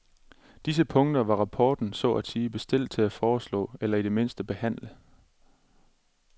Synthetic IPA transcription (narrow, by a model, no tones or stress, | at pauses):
d̥is̬əpʰɔ̽ŋd̥ɐʋɑ̈ʁɑ̈pʰɒːd̥n̩sɒ̰æsiːb̥e̝sd̥e̝l̰d̥̚t͡sʰe̝læfɒːslɔ̰̽ːelɐide̝me̝n̰sd̥əb̥e̝hæn̰lə